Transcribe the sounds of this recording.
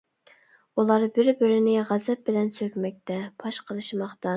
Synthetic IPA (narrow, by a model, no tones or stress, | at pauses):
ulˠɑɾbɪɾbɪɾɪnɪʁæzɛp̚bɪlɛnsøkʲmɛk̚ʲt̪ʰɛpʰɑʃqʰəlˠɨʃmɑχt̪ɑ